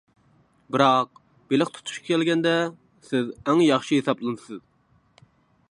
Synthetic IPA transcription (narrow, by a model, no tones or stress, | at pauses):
bɨɾɑq̚ | b̥elɪχt̪ʰu̥t̪ʰu̥ʃkʰʲɑkʲʰɛlɡʲɛnd̪ɛ | sɪzæŋjɑχʃiɦesɑplˠɨnɨsɨz